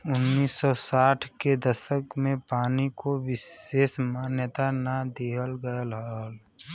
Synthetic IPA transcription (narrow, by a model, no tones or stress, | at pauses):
ʊnːiːsːɔsaːʈʰked̪əsəkmẽpaːnikowɪseːsmaːnjət̪anad̪iɦəlɡəəlɦal